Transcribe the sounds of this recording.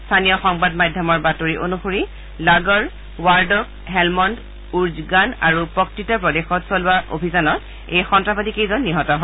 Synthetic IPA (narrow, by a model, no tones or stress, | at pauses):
stʰanijɔxɔŋbadmajdʱjɔmɔɹbatoɹiʔonuxoɹi | laɡɔɹ | waɹdɔk̚ | ɦɛlmɔnd | uɹzɡana̰ɹupɔktitapɹɔdexɔtsɔlʊwaʔo̰bʱizanɔt | ejxɔntɹabadikejzɔnːiɦɔtɔɦɔ